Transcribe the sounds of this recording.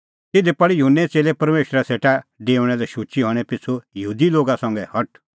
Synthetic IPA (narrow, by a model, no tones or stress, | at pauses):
t̪ɪd̪epɐɽijʊɦʊnːɛt͡seːlepɐɾmeːʃɾaseːʈaɖeːʊɽ̃ɛlɛʃut͡ʃiɦɔɽ̃ɛpɪt͡sʰːujɐɦuːd̪iloːɡasɐ̃ŋɡɛhɐʈ